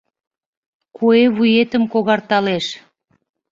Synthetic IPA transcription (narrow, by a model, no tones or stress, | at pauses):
kʰueβujet̪əmkoɣɑrt̪ɑleʃ